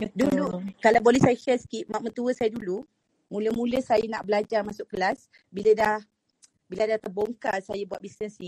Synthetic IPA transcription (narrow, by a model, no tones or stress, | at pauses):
dulukalawbolɛhsajəʃɛsə̥kiʔmãʔmət̪uəsajədulu | mũləmũləhsajanaʔbəlad͡ʒarmasʊʔkəlas | biladah | biladaht̪ərboŋkasajabuat̪̚bisnəsni